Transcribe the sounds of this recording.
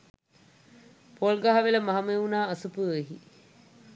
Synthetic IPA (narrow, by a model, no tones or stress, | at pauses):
polɡaɦaʋeləmaɦameunaːsupueɦḭ